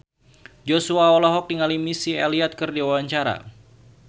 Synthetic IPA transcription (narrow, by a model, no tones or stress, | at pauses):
d͡ʒɔsuaɔlɔɦɔk̚diŋalimisialiat̪̚kɨrdiawaɲt͡ʃaɾa̰